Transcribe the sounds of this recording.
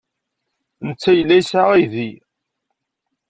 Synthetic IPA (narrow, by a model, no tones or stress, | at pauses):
nət͡sːæjəlːæjsaʁiði